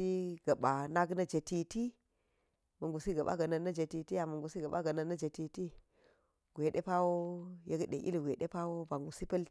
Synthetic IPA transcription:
i˦ɡ̥ɐ˨ba˨na˦ɡnɐ˦d͡ʒe˨ti˦ti˦ | mɐ˨ŋɡu˨si˦ɡɐ˨ɓa̰˦ɡɐ˨nɐ˨nɐ˦d͡ʒe˨ti˨ti˦ja˨mə˨ŋɡu˨si˦ɡa˨ɓa̰˦ɡɐ˨nə˦˨nːɐ˦d͡ʒe˨ti˨ti˦ | ɡʷe˨ɗe˦pa˦wo˦je˦ɡɗḛ˨ʔḭ˦lɡʷe˨ɗḛ˦pa˦wo˦ba˨ŋɡu˨si˦pɐ˦l

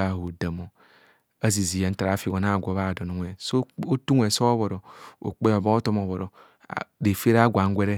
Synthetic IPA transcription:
a˦˨ɦo˨da˨mo˨ | a˦zi˨zi˨ja˨n̩˦ta˨ɾa˨˦fi˨ɡo˨n˦a˦˨ɡʷo˨˦βa˦˨do˨no˨ŋʷe˨so˦o˦tu˦ŋʷ˦e˨so˦βo˨ɾo˨o̰˨k͡pe˦o˨bo˦o˦to˦mo˨βo˨ɾo̰˨ | de˨fe˦ɾa˦ɡʷa˨ŋ̩˦ɡʷe˦ɾe˦

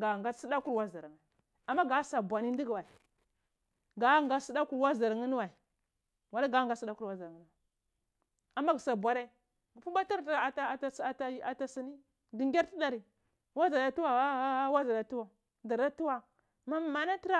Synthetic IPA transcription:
ɡa˨ŋɡa˦si˦da˦ku˦ɾwa˦za˨ɾŋa˨ | a˨mːa˦ɡa˨˦sa˨bwa˨ni˦ndi˦ɡwa˨i˨ | ɡa˨˦ŋɡa˦si˦da˦ku˦ɾwa˦za˨ɾŋi˦n˦wa˨ | wa˨˦la˦ɡa˦ŋɡa˦si˦da˦ku˦ɾwa˦za˨ɾŋi˦n˦a˨ | a˨mːa˦ɡi˨sa˨bʷa˨ɾe˦ | ɡpu˦ba˦ta˦ɾtta˦˨a˦˨ta˦a˨ta˨si˨ni˦ | ɡi˨ŋɡʲa˦ɾti˦da˨ɾi˨ | wa˦za˨da˨tu˦wa˨˦wa˦za˨da˨tu˦wa˨ | da˨ɾa˦tu˦wa˨ | ma˨m˨ma˨na˦ti˦ɾa˦

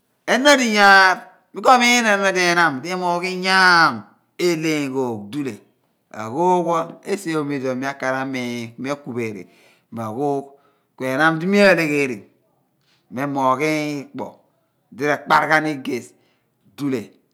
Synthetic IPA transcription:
e˦na˦di˨ja˦ɾ | mi˦ko˦mi˦e˦na˨˦me˦de˨na˦m˨di˦mo˨ki˦ɲa˦˨m | e˦le˦˨ɡo˨kdu˦le˨ | a̰˨ɡo˦ɡo˦e˦se˦o˨mi˦˨do˨mi˦a˦ka˨ɾa˦me˨me˦ku˨be˨ɾḭ˨ | ma˨ɡo˦ | kʷe˨na˦mdi˦mi˦a˦˨le˦ke˦˨ɾi˨ | me˦mo˨ki˦k͡po̰˨ | di˦ɾa˨k͡pa˦ɾka˦ni˦ɡe˨s | du˦le˨

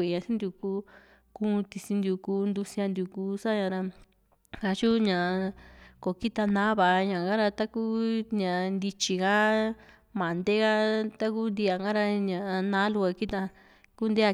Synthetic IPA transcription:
e˨ɲã˨sĩ˦nd̪ju˧ku˦ | kũ˦˧t̪i˧sĩ˧nd̪ju˧˨kuː˧˦nd̪u˧si˧ã˧nd̪ju˧˨kuː˦sa˦ɲã˧ɾa˧ | kã˧t͡ʃu˦ɲã˨˧ko˨ki˦t̪a˧nã˦βa˨˧ɲã˨ɡã˦ɾa˧t̪a˦ku˦ɲã˨˧nd̪i˧t͡ʃi˧ka˦ | mã˨nd̪e˦ɣa˦t̪a˦ku˦nd̪i˧a˧ŋɡã˦ɾa˧ɲã˨˧nã˦lu˧a˧ki˦t̪a˧ | ku˦nd̪e˦a˧

